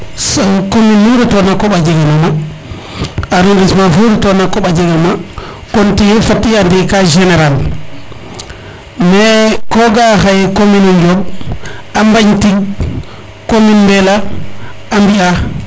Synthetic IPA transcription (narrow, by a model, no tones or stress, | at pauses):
sɔkominːuɾitɔnakːɔɓad͡ʒeɡɛnama | aɾundismafuɾtɔnakːɔɓad͡ʒeɡama | kontijɛfatːiandikad͡ʒɛneɾal | mɛkɔɡahajkominud͡ʒɔb | ambaɲtiɡ | kominbɛlaː | mbia